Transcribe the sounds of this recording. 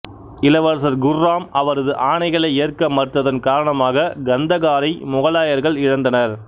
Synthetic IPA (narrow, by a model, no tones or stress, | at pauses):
ɪlɐʋɐɾs̬ɐɾɡʊrːaːmɐʋɐɾɐðɯʔaːɳɐɪɣɐɭɐɪɪjɐrkɐmɐɾʈrɐðɐnkaːɾɐɳɐmaːɣɐɡɐnd̪ɐɣaːɾɐɪmʊɣɐɭaːjɐɾɣɐɭɪɻɐnd̪ɐnɐɾ